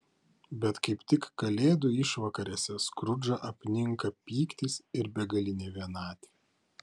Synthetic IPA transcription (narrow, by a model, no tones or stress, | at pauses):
bʲɛt̪kɐɪpt̪ʲɪkːɐlʲeːd̪uːɪʃʋɐkɐɾʲeːsʲɛskɾʊd͡ʒɐʔɐpʲnʲɪŋˑkɐpʲiːkt̪ʲiːsɪɾbʲɛɡɐlʲɪnʲeːʋʲiɛnɑːt̪ʲi̥ː